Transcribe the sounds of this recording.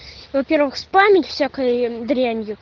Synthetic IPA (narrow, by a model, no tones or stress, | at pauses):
vɐpʲe̞rvɨxspamʲɪtʲfsʲakəjd̪ɾʲanʲjʊ